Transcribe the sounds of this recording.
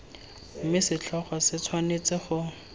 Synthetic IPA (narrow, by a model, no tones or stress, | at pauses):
m̩mɪsɪt͡ɬʰɔχɔsɪt͡sʰwanet͡sɪχʊ